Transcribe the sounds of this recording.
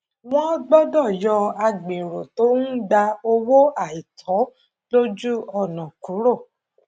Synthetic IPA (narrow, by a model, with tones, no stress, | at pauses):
w̃ɔ̃˦ɡ͡bɔ˦dɔ˦˨jɔ˧a˧ɡ͡bẽ˨ɾo˨to˨˦n̩˦da˧o˧wo˦a˨i˨tʰɔ̃˨˦ | lo˦d͡ʒu˦ɔ˧nɔ̃˨kũ˨˦ɾo˦˨